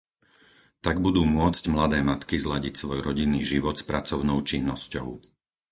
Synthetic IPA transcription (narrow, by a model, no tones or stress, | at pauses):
t̪aɡbud̪uːmʊɔt͡scmlad̪ɛːmat̪kizlaɟicsʋɔjɾɔɟinːiːʒiʋɔt̪spɾat͡sɔʊnɔʊt͡ʃinːɔscɔ̰ʊ